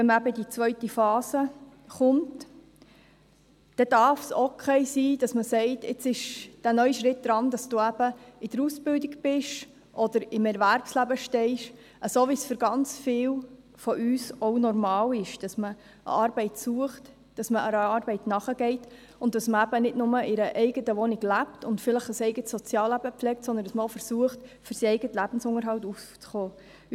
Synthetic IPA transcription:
vɛnməæbədit͡svœʏtifɑːsə | χʊnt | d̥ɛd̥ɑɾfsokʰɛɪsiːd̥ɑsməsɛɪtɪt͡sɪʃd̥ænœʏʃɾɪt̚d̥ɾɑnd̥ɑsd̥uːæb̥əɪd̥əɾusb̥ɪldɪkb̥ɪʃ | ʔɔd̥əɾɪmɛɾvæɾpslæbəʃtɛɪʃ | ʔəsoːʋisfʏɾɡɑnt͡sfɪːw | fɔʔyːsɔʊnɔɾmɑːlɪʃd̥ɑsmə | ʔə̰ɑːɾb̥ɛɪtsuəχt | d̥ɑsməəɾɑːɾbɛɪtnɑχəɡ̥ɛɪt | ʊndd̥ɑsməæbənɪdnʊməʔɪɾəʔɛɪɡətəʋɔnɪɡlæptʊntfɪləχəsɛɪɡətsɔt͡sjɑːlːæbəpflɛːk̚tsɔndənd̥ɑsməofəɾsuəχtfʏɾsiɛɪɡətəlæb̥n̩sʊŋəɾɦɑltuft͡sχoː

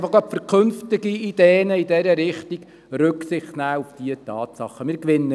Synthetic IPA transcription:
fɑχɑpfəɾkʰɵnftɪɡiid̥eːnəidɛɾəɾɪχtiɡ | ɾɵksɪχtnæːufd̥iətɑːt̪sɑχːəmɪːɾkʋɪnːə

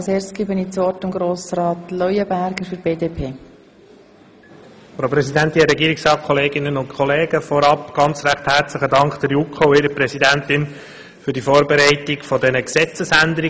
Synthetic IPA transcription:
ɑlˠseːstɡ̥ɪbəniːt͡sɔːtɪmɡɾoːsɾɑːtlɔjəbæɾɡ̥əɾfyɾb̥eːdeːpʰeː | fɾoʊpɾɛsidænt̪inəɾɛɡiːɾɪksɾɑːt̚kʰɔleːɡɪnənʊntkʰɔleːɡ̥əfɔɾɑpɡ̥ɑnt͡sɾæχt̪hæɾt͡sləχədɑŋkd̥̪əɾjukχoɪɾəpɾɛsidænt̪ɪn | fʏɾdifoːɾbeɾæɪtiɡfɔdɛnəksɛt͡səsænd̪əɾi

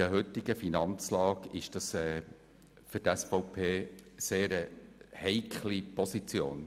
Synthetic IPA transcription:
əɦʏt̪ːɪɡəfinɑnt͡slɑːkɪʃd̥ɑsɛː | fʏɾtɛsfɔʊpʰeːseːɾəhɛɪkʰlipɔsit͡sjo̰ːn

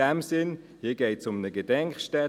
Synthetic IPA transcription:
ɛmsɪn | hiːɐɡeɪtsʊmnəɡədɛŋkχʃtɛ

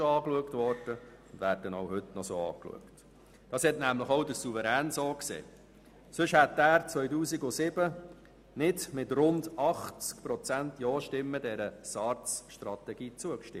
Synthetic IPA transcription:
oɑːkluəktʋɔɾd̥ə | ʊndvæːɾd̥ənowhɵtnɔsoːɑ̰ːklṵəkt | d̥ɑːshɛtnæmləχowdəɾsuvəɾæːnsoːksḛː | sɵʃhætːæːɾt͡sʋœʏtuːsiɡʊsɪb̥ə | nɪdmɪtrʊndɑχt͡skpɾɔt͡sæntjɔːʃtɪmːədɛɾəsɑɾt͡sʃtɾɑt̪ɛɡiːt͡suəkʃtɪ̰

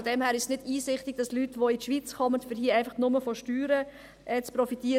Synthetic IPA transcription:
ɔdɛmhæːɾɪʃsnɪdiːsɪχtɪɡ̥̚d̥ɑslytʋoitʃʋit͡skʰɔmətfɪɾhiːəæɪfɑχnʊməfɔʃtyːɾə | ʔɛt͡spɾɔfitiə

